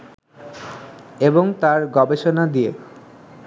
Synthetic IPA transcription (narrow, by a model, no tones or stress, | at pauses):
eboŋt̪aɾɡɔbeʃonad̪ie